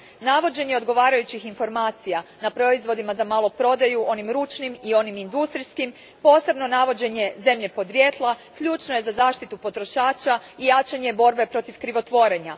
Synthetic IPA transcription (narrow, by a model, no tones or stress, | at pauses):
naʋo̞d͡ʑe̞ɲeo̞d̪ɡo̞ʋaːɾajut͡ɕixinfo̞ɾmaːt̪sijanapɾo̞izʋo̞d̪imazamalˠo̞pɾo̞d̪ajuʔo̞nimɾuːt͡ʃnimio̞nimind̪ust̪ɾiskim | po̞ːse̞bno̞naʋo̞d͡ʑe̞ɲe̞ze̞mʎe̞po̞d̪ɾjet̪lˠakʎuːt͡ʃnoje̞zazaːʃt̪it̪upo̞t̪ɾo̞ʃaːt͡ʃaijat͡ʃaɲe̞bo̞ɾbe̞pɾo̞t̪ifkɾiʋo̞t̪ʋo̞ɾeɲa